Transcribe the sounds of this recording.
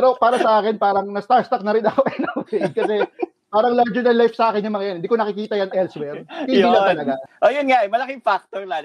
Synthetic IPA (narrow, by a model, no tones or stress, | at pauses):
pɛɾo̞paːɾɐsɐʔaːkɪnpaːɾɐŋnɐst̪ast̪ɐk̚nɐɾɪnɐko̞ʔɛnɐfejd̪̚kɐsɛ | paːɾɐŋlaɹd͡ʒɛɹd̪ɐnlajfsɐʔaːkɪnjʊŋmɐŋɐjanɪnd̪iːkoɐkɪkiːt̪ɐjɐnɛlswɛɾhɪniːlɐt̪ɐlɐɡaʔojʊnŋaʔɛmɐlɐkɪŋfak̚t̪ola